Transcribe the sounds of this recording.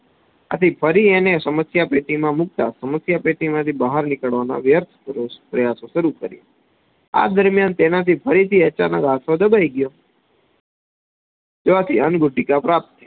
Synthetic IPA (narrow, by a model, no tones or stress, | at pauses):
a̰t̪ʰipʰəɾienesəməsjapeʈimãmʊk̚t̪a̰səməsjapeʈimãt̪ʰibaɦaɾnɪkəɭʋana̰ʋjəɾt̪ʰɾopɾəjasõʃəɾukəɾj̰ | a̰d̪əɾmjant̪enat̪ipʰəɾit̪ʰiət͡ʃanəkat̪ʰod̪əbʱaiɡjo | d͡ʒeat̪ʰiənɡʊɖikapɾap̚t̪ː